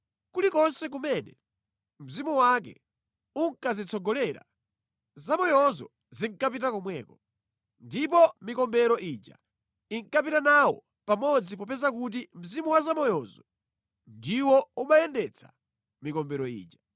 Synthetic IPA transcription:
kulikɔnsɛk̬umɛnɛ | m̩zimuwak̬ɛ̰ | uŋkazit͡sɔɡɔlɛːɾa̰ | zamɔjɔzɔ̰ | ziŋkap̬itakɔmwɛːkɔ | ndipɔmikɔmbɛɾɔʔid͡ʒa̰ | iŋkap̬itanawɔ̰ | pamɔd͡zipɔpɛzak̬ut̬im̩zimuwazamɔjɔzɔ | ndiwɔumajɛndɛt͡sʰa̰ | mikɔmbɛɾɔḭːd͡ʒa

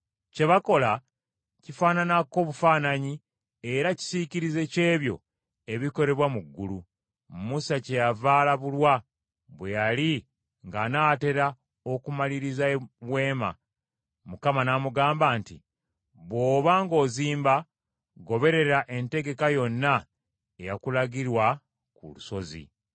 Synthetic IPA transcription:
ce̞βako̞la | cifaːnanako̞ːβufaːnaɲi | e̞ɾaci̥siciɾize̞ce̞ːβjo̞̰ | e̞βiko̞ɾe̞βwamuɡːulu | musace̞javaːlaβulwa | βwe̞jali | ŋɡanaːte̞ɾa | o̞kumaliɾizaβwe̞ːma̰ | mukamanamuɡaːmbaːntḭ | βwo̞ːβaŋɡo̞ːziːmba | ɡo̞βe̞ɾe̞ɾaʔe̞nte̞ɡe̞kajo̞nːa | e̞jakulaɡiɾwa | kṵluso̞zḭ

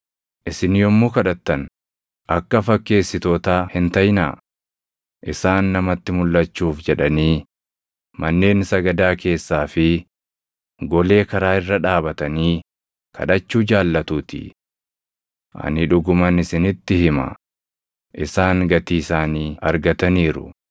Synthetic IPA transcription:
ʔɪsɪnjɔmːuːkɐᶑɐt̪ːɐn | ɐkːɐfɐkːe̞ːsːɪt̪oːt̪aːhɪnt̪ɐjna̰ː | ʔɪsaːnːɐmɐt̪ːɪmʊlːɐt͡ʃːuːfd͡ʒɛᶑɐniː | mɐnːe̞ːnsɐɡɐd̪aːke̞ːsːaːfɪ | ɡɔle̞ːkɐɾaːɪrːɐᶑaːbɐt̪ɐniː | kʰɐ̰ᶑɐt͡ʃːuːd͡ʒaːlːɐt̪uːt̪ɪ̰ | ʔɐ̰nɪᶑʊɡʊmɐnɪsɪnɪt̪ːɪhɪmɐ̰ | ʔɪsaːŋɡɐt̪iːsaːniːɐ̰ɾɡɐt̪ɐniːɾʊ̰

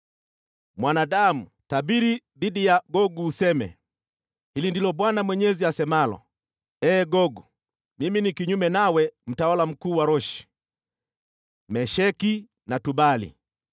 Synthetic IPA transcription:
mwanadamu | tabiɾi | ðidijaɡɔɡuːsɛmɛ̰ | hilindilɔɓwanamwɛɲɛziasɛmalɔ̰ | ɛːɡɔɡu | miminikiɲumɛnawɛm̩tawalam̩kuːwaɾɔʃi̥ | mɛʃɛki | natubalḭ

